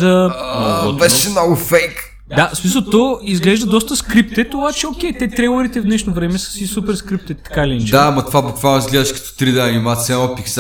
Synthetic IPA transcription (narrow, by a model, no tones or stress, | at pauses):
d̪əmɐɡɔb̪ɛʃnɔɡfɛjk | d̪asmis̬əlˠt̪ɔizɡlɛʒd̪əd̪ɔst̪əskɾip̚t̪ɛt̪obat͡ʃɛokʲɛjt̪ɛt̪ɾɛjlˠɐɾit̪ɛvd̪nɛʃnovɾɛmɛsə̥sisupɛɾskɾip̚t̪ɛt̪ːɐ̥kaliɛnt͡ʃd̪amɐt̪ʊvabukvaɐizɡlɛðɐʃkɐ̥t̪u̥t̪ɾid̪ɛɐnimat̪sɛɔ̃piks